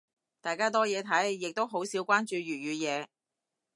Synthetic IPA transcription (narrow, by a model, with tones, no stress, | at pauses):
t̪aː˨jkaː˥t̪̬ɔː˥jɛː˨˧t̪ʰɐ˨˥jːɪ˨k̚t̪o˥wɦo˨˥wsiː˨˥wkʷaː˥nt͡ʃyː˧ɥyː˨˩t̚jyː˨˧jɛː˨˧